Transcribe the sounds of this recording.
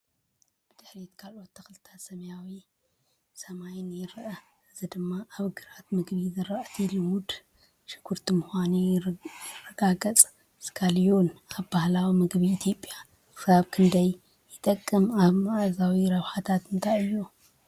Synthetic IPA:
b̥ɨd̪̥ɨħɾit̪kʰalʔo̞t̪ːʰɐxlt̪ʰḁt̪sɐmɐjawi | sɐmajnjɪɾɐʔɐ | ʔɨzɨd̪ɨmːaʔaβɡɨɾat̪mɨɡβizɨɾɐʔt̪ʰilɨwud̪ | ʃɨ̥ɡʰuɾt̪ʰimuxʷanijɪrːɐɡaɡɐt͡sʼ | skʰaljonaβbahlawimɨɡβiːt̪ʰjo̞pʼːja | kʰɨ̥saβkʰɨnd̪ɐjː | ɨt̪ʼɐkʼːɨmaβmaʔazawiɾɐβħat̪ʰat̪ɨnt̪ʰajɨjːu

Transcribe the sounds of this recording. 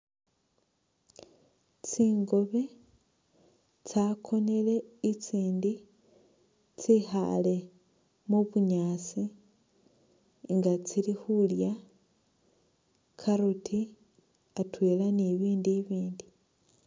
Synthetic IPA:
t͡siːŋɡo̞βe̞ | t͡sakʰo̞ne̞le̞it͡siːndi | t͡sixa̰le̞ | muβuɲaːt͡si | ŋɡat͡silixulja | kʰaɾutʰi | atweːlaneβiːndiβiːndi

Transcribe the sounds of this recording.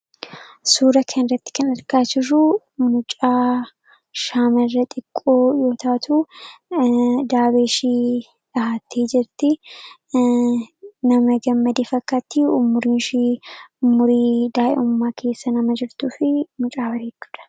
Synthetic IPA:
suːɾɐkʰɐnɪɾɐt̪ːɪ̥kɐnɐɾkaːd͡ʒɪrʊ | nʊt͡ʃʼaː | ʃaːmɐrːɐt̪ʼɪkʼːoːjo̞ːt̪aːt̪ʰu | d̪aːbeːʃiː | ᶑɐɦaːt̪ʰːiːd͡ʒɪɾt̪ɪ | nɐmɐɡɐmːɐd̪eːfɐkːaːt̪ːiʊmːʊɾiːnʃiʊmːʊɾiːd̪aːʔɛ̰ʊmːaːkʰe̞ːsːɐnɐmɐd͡ʒɪɾt̪uːfɪmʊt͡ʃʼaːbɐɾeːt͡ʃːʊ̥ᶑ̪̥ɐ̥

